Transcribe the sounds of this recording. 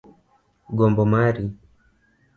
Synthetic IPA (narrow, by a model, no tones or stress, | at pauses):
ɡɔmbɔmaɾi